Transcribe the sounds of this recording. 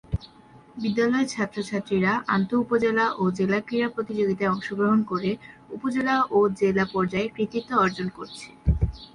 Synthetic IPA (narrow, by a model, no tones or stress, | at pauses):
bid̪ːalɔet͡ɕʰat̪ːɾot͡ɕʰat̪ːɾiɾaʔa̰nt̪oupod͡ʑelaʔod͡ʑelakɾiɾapɾot̪id͡ʑoɡit̪aeɔŋʃoɡɾoɦonkoɾeupod͡ʑelaʔod͡ʑelapɔɾd͡ʑaekɾit̪it̪ːoɔɾd͡ʑonkoɾt͡ɕʰe̥